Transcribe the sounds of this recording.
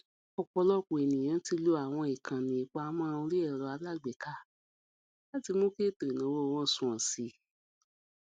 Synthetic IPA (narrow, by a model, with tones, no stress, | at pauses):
ɔ˨k͡pɔ˧lɔ˦˨k͡po˨e˨nĩ˨j̃ã˨˦ti˧lo˧˦a˦˨w̃ɔ̃˧i˨kʰã˨nĩ˨i˨˦k͡pa˧˦a˦mã˦˧ũ˧ɾi˦ɛ˦˨ɾɔ˧˦a˧˦la˦˨ɡ͡bɛ˨ka˦ | la˦ti˧mõ˦ke˦to˨i˨nã˨˦wo˦˨w̃ɔ̃˦˨sũ˨ɔ̃˨si˨˦